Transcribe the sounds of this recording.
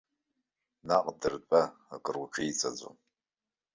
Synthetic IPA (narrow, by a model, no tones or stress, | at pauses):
naqʼdɨrt͡pʼaakʼɨrwaʈ͡ʂʰijt͡sʼad͡zo̰m